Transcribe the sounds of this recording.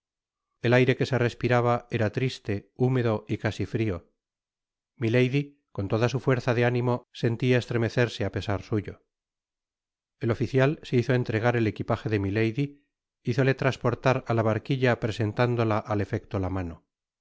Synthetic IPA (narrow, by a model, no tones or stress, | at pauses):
e̞lajɾe̞ke̞se̞re̞spiɾaβ̞ae̞ɾat̪ɾist̪e̞ume̞ðo̞ikasifɾio̞ | milejði | ko̞nt̪o̞ðasufwe̞ɾθaðe̞anĩmo̞se̞nt̪iae̞st̪ɾe̞me̞θe̞ɾse̞ape̞saɾsuʝo̞ | e̞lo̞fiθjalse̞iθo̞e̞nt̪ɾe̞ɣ̞aɾe̞le̞kipaxe̞ðe̞milejði | iθo̞le̞t̪ɾaspo̞ɾt̪aɾalaβaɾkiʎapɾe̞se̞nt̪and̪o̞laʔale̞fe̞kt̪olamano̞